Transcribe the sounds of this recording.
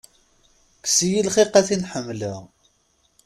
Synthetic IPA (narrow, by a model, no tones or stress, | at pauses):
ksijilχiqæθinħəmːlə